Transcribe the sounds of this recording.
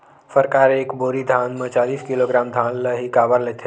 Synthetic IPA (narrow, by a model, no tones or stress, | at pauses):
fəɾkaːɾeːkboːɾid̪ʱaːnmə̃t͡ʃaːliːskɪloːɡɾaːmd̪ʱãːnləɦikaːbəɾleːt̪ʰɦe